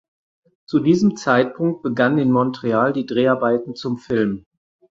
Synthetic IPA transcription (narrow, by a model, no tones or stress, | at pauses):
t͡sudiːzəmt͡saɪt̚pʰʊŋk̚t̚b̥əɡannɪːnmɔntʁ̥eaːldiːdʁeːaɐbaɪtn̩t͡sʊmfɪlm